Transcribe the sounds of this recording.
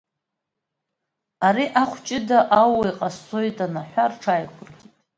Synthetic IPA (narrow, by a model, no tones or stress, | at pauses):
aɾiʔaχʷʰt͡ʃʼɪdaʔawajqʼasːojtʼanaħʷarʈ͡ʂʰajkʷʊrɡʲitʼ